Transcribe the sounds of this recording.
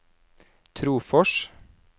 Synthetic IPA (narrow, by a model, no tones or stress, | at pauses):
t̪ʰɾuːfɔʃ